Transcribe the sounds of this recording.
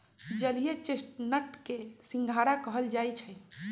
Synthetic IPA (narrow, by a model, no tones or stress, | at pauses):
d͡ʒəlijet͡ʃesʈnəʈkesĩŋɡʱaɽakəɦəld͡ʒajt͡ʃʰəj